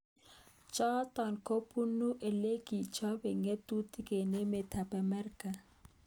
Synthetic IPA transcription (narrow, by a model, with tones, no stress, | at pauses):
t͡ʃɔ˦tɔ˨nkʰo˦pʰu˦nu˦ʔɛ˨le˦ɡ̥i˨t͡ʃʰɔ˦bɛ˨ŋe˦tʼu˦tʼi˦ke˨ne˦mɛ˨tʰa˨pa˨mɛ˦ri˦ka˨